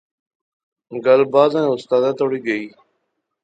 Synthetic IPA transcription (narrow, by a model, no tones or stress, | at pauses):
ɡəlbaːd̪ãːʊst̪aːd̪aːt̪oːɽiːɡəiː